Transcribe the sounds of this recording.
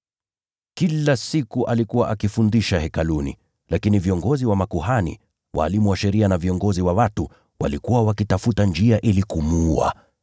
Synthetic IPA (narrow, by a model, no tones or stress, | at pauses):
kilasikuʔalikuwaʔakifundiʃahɛkalunḭ | lakiniviɔŋɡɔziwamakuhanḭ | wa̰ːlimuwaʃɛɾianaviɔŋɡɔziwawatu | wa̰likuwawakitafutand͡ʒiaʔilikumua̰